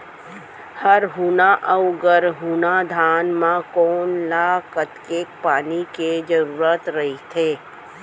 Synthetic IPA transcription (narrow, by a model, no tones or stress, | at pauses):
həɾɦuːnaʔəwɡəɾɦuːnad̪ʱaːnmãkoːnlaːkət̪keːk̚paːniked͡ʒəɾuːɾət̪ɾɐɦit̪ʰeː